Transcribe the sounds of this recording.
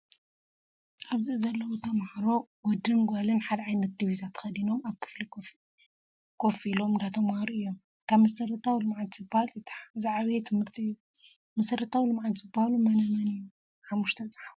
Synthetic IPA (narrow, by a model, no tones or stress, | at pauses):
ʔaβzizɐlːɐwut̪ʰɐmhaɾo̞wɔd̪ɨnɡʷalɨnħad̪ɐʕajnɐt̪̚d̪iβizat̪ʰɐ̥xɐd̪ino̞maβkʰɨ̥flik | kʰofilo̞mɨnd̪at̪ʰɐmhaɾuʔɨjːo̞m | kʰaβmɐsɐɾɐt̪ʰawilɨmʕat̪zɨbahalt̪ʰħzaʕβet̪ʰɨmɨɾt̪ʼiu | mɐsɐɾɐt̪ʰawilɨmʕat̪zɨbːahalumɐnɐmɐniju | ħamːuʃt̪ʰɐt͡sʼḁħaf